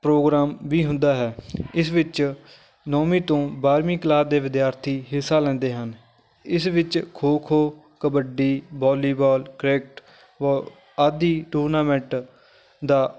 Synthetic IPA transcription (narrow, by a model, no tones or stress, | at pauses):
pɾoːɡɾaːmʋiːɦʊ̃nd̪aːɦɛːɪsʋɪt͡ʃ | nɔːmĩːt̪õːbaːɾmiːkəlaːd̪eːʋɪd̪jaːɾt̪ʰiːɦɪsaːlɛ̃ːnd̪eːɦən | ɪsʋɪt͡ʃkʰoːkʰoː | kəbəɖiːbɔːliːbɔːlkɾɛːk̚ʈ | ʋoː | aːd̪iːʈuːɾnaːmɛ̃ɳʈ | d̪aː